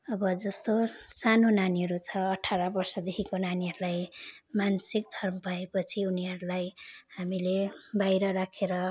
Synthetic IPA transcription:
ʌbʌd͡zʌst̪osanonaniɦʌɾut͡sʰʌːʈʰːaɾʌbʌrsʌd̪ekʰikonaniɦʌɾulajmansikd̪ʱʌrmʌbʱʌepʌt͡sʰiuniɦʌɾulajhamilebajɾʌɾakʰeɾʌ

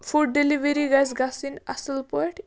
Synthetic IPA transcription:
fuɖ̚ɖeliʋeɾiɡajsɡasina̰səlpɔjʈ

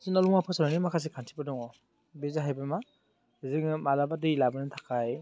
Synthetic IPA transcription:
sinalɔŋmapʰɯsananimakʰas̬ekʰantʰibadɔŋɔ | bezaɦajbɯma | zɯŋmalabadɯilabɯnɯtʰḁkʰaj

